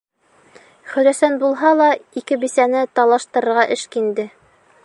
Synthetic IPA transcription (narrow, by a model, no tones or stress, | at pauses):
χɵ̆ɾæsænbulˠɦɑlˠɑikɘbisænɘt̪ɑlˠɑʃt̪ɤ̆ɾɤ̆ɾʁɑʔɘʃkind̪ɘ